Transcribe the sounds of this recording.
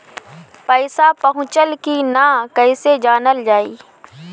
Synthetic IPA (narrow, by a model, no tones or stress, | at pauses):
pəɪsapəɦʊ̃t͡ʃəlkinakəɪsed͡ʒaːnəld͡ʒaːḭː